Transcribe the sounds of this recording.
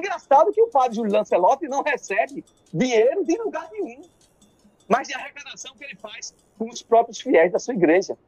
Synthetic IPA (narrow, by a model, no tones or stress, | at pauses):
ẽɡɾasad̪ʊkɪʊpad̪ɾɪʒullɐ̃selɔt̪ɪnɐ̃w̃hesɛbɪ | d̪iɲejɾʊd̪ɪ̃luɡaɾnẽũ | mɐzd̪ɐhekad̪asɐ̃w̃kɪelɪfajs | kõʊspɾɔpɾjʊsfiɛjzd̪ɐsuɐiɡɾeʒɐ